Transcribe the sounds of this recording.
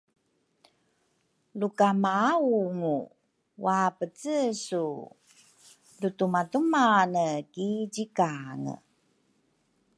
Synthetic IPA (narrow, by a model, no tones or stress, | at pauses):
lukamauŋu | wapət͡səsu | lutumatumanəkiɟikaŋə̰